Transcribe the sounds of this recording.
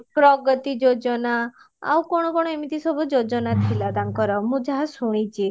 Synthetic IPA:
pɾɔɡɔt̪id͡ʒod͡ʒɔna | a̰wkɔɽ̃ɔkɔɽɔemit̪isɔbud͡ʒod͡ʒɔnat̪ʰilad̪aŋkɔɾɔmũd͡ʒaɦasuɽ̃it͡ʃʰi

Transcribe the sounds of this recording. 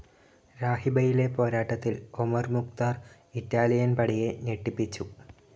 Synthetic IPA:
ɾaːhibɐjile̞po̞ːɾaːʈːɐt̪ːilomɐrmukt̪aːr | itːaːlijɐnpɐɽije̞neʈːipːit͡ɕːu

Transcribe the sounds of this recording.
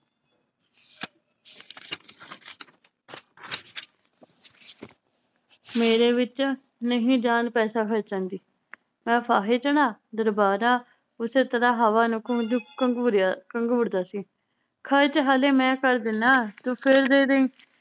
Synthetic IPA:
meːɾeːʋɪt͡ʃ | nəɦĩːd͡ʒaːnpɛːsaːkʰət͡ʃãːnd̪iː | mɛ̃ːpʰaːɦeːt͡ʃəɽaːd̪əɾbaːɾaː | ʊseːt̪əɾaːɦaːʋaːnũːkəd̪uːkəɾkəŋɡʊɾd̪aːsiː | kʰət͡ʃɦaːleːmɛ̃ːkəɾd̪ɪnːaːt̪uːpʰeɾd̪eːd̪eĩː

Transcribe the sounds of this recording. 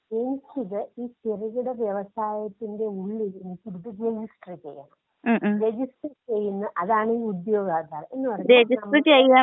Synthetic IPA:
e̞nikʲːiðɨiːt̪irɐɣuɽeʋjeʋɐsaːjɐt̪ːinde̞uɭːienikʲːiɾðɨd͡ʑenhisʈɐrit͡ɕːe̞jːɐ̰ɳɐmː | ɾe̞d͡ʑisʈreʈt͡ɕe̞jːunːɐʔɐðaːɳɨiːud̪jo̞ːɡaːd̪aːre̞nːɨpɐrɐɾed͡ʑiʈɐreʈːt͡ɕejaː

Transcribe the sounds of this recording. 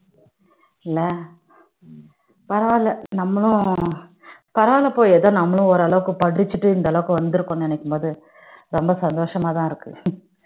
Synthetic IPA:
ɪlːɐ | pɐɾɐʋaːlɐnɐmːɐɭʊ̃ | pɐɾɐʋaːlɐpoːjɛðɐːnɐmːɐɭʊ̃ɔɾɐɭɐʋɯkːɯpɐɽɪt͡ʃːɯʈːɯɪnd̪ɐɭɐʋɯkːɯ̃ʋɐnd̪ɯɾɯkːoːnnɛnɐkːɯmboːðɯ | ɾɔmbɐsɐnd̪oːʂɐmaːt̪ãːɪɾɯkːɯ̰

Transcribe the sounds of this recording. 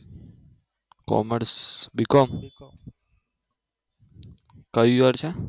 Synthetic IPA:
kɔ̰məɾsbikɔm | kəiʋaɾt͡ʃʰɛ

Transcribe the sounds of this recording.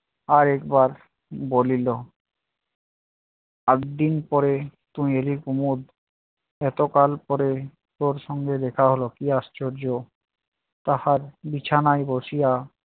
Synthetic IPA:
aɾɛkbaɾ | bolilo | aɡd̪inpɔɾet̪umielikumud̪ | ɛt̪okalpɔɾe | t̪oɾʃɔŋɡed̪ɛkʰaɦolokiast͡ɕoɾd͡ʑo | t̪ahaɾbit͡ɕʰanajboʃija

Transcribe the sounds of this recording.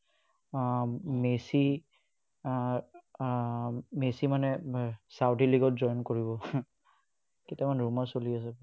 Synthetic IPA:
mesi | mesimanɛsawtiliɡɔt̚zɔjnkoɹibɔ | ketamanɹumasolias̬ɛ

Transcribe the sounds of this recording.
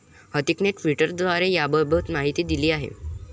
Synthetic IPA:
hət̪ikneʈʋiʈəɾd̪ʋaɾejabəbət̪maɦit̪iːd̪iliːaɦḛ

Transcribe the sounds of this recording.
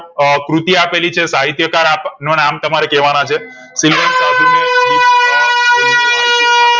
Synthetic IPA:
kɾut̪iapelit͡ʃʰesaɦit̪jəkaɾapnonamt̪əmaɾekɛʋanat͡ʃʰe | silʋənsad̪ʱinaeliaeɾit͡ʃʰe

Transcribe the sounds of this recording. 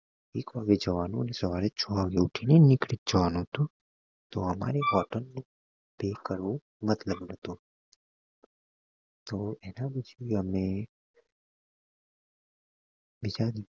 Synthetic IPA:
ekʋaɡed͡ʒəʋanũənesəʋaɾet͡ʃʰɔʋaɡeuʈʰinenɪkɽit̪̚d͡ʒəʋanũɦət̪ũ | t̪oəma̰ɾebɔʈənːũ | pekəɾʋõ | mət̪ləbnət̪ũ | t̪oenabət͡ʃʰiəme | bid͡ʒad̪iũ

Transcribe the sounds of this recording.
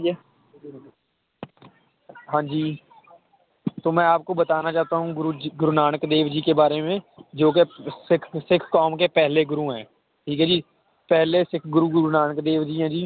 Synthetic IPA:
ɦãːd͡ʒiː | t̪oːmɛ̃ːaːp̚kobət̪aːnat͡ʃaːɦt̪aɦũːɡʊɾuɡʊɾʊnaːɽəkd̪eːʋd͡ʒiːkebaːɾemẽːd͡ʒoːkesɪkʰsɪkʰkɔːmkepɛɦleɡʊɾuːɦɛ̃ː | ʈʰiːkɦɛd͡ʒiː | pɛɦlesɪkʰɡʊɾuɡʊɾunaːɳəkd̪eːʋd͡ʒiːɦãːd͡ʒiː

